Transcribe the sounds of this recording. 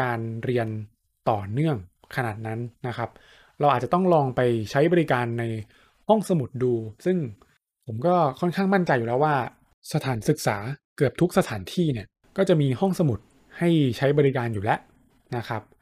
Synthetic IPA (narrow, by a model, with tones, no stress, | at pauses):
kaː˧nɾi˧ən | t̪ɔː˨˩nɯ˥˩əŋ | kʰa˧naː˨˩t̪̚na˦˥nːa˦˥kʰa˦˥p̚ | ɾa˧wʔaː˨˩t͡ɕa˨˩t̪ɔ˥˩ŋɾɔː˧ŋpa˧jt͡ɕʰa˦˥jbɔː˧ɾi˦˥kaː˧nːa˧j | hɔ˥˩ŋsa˧mu˨˩t̪̚duː˧sɯ˥˩ŋ | pʰo˩˦mkɔː˥˩kʰɔ˥˩nkʰaː˥˩ŋma˥˩nt͡ɕa˧jːuː˨˩lɛː˦˥waː˥˩ | sa˧t̪ʰaː˩˦nsɯ˨˩k̚saː˩˦kɯ˨˩əp̚t̪ʰu˦˥k̚sa˧t̪ʰaː˩˦nt̪ʰiː˥˩ni˥˩ɐ | kɔː˥˩t͡ɕa˨˩ʔmiː˧hɔ˥˩ŋsa˧mu˨˩t̪̚ | ha˥˩jt͡ɕʰa˦˥jbɔː˧ɾi˦˥kaː˧njuː˨˩lɛ˦˥ʔ | na˦˥kʰɾa˦˥p̚